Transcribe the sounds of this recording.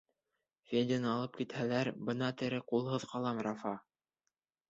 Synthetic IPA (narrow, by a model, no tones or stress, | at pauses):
fʲedʲɪnɑlˠɤp̚kit̪hælæɾbɤ̆nɑt̪ɘ̆ɾɘqulˠhɤ̆ðqɑlˠɑmrɑfɑ